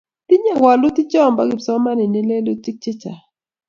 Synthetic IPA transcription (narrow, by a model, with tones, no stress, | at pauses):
ti˦ɲa˦˨wa˨lʊ˦t̪i˦t͡ʃɔ˦˨mba˦ɡi˨psɔ˦ma˦ni˨ni˦le˦lu˦t͡ʃi˦k̚t͡ʃe˦t͡ʃa˨